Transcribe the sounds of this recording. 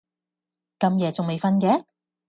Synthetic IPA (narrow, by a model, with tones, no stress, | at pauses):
kɐ˧mjɛː˨˧t͡sʊ˨ŋme˨jfɐ˧nkɛː˨˧˥